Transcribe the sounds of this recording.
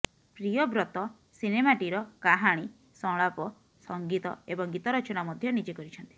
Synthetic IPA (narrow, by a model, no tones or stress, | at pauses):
pɾijɔbɾɔt̪ɔ | sinemaʈiɾɔkaɦaɽ̃i | sɔɭapɔ | sɔŋɡit̪ɔ̰ebɔŋɡit̪ɔɾɔt͡ʃɔnamɔd̪ʱjɔnid͡ʒekɔɾit͡ʃʰɔnt̪i̥